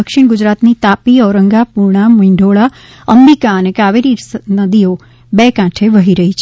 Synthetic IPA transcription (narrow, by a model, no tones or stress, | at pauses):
əkʃiɳ̃ɡʊd͡ʒɾat̪nit̪apiɔʋɾəŋɡapuɾɳ̃amĩɳɖʱoɭa | əmbikaənekaʋeɾisnəd̪io | bekãʈʰeʋəɦiɾəɦit͡ʃʰ